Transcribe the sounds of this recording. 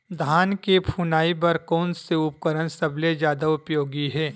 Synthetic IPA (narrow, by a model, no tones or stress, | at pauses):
d̪ʱaːnkepʰuːnaːibɐɾkɔːnseʊp̚kəɾənsɐbled͡ʒjaːd̪aʊpjoːɡiɦɛː